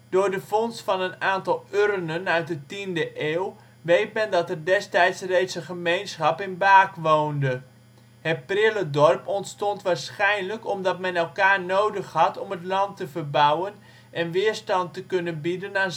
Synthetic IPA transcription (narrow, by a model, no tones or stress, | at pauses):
d̥ʊːɹdəfɔnstfɑnənaːntɑlˠørənənœɥt̚dətindəʔeːw | ʋejt̚mɛndɑtərdɛstɛjtsrejtsəχəmejnsχɑpɪnbaːkʋowndə | hɛt̚prɪlədɔrpɔntstɔntʋaːɹsχɛjnləkɔmdɑt̚mɛnɛlˠkaːrnowdəχhɑtɔmətlɑntəvərbawən | ʔɛnʋɪːɹstɑntəkønənbidənaːn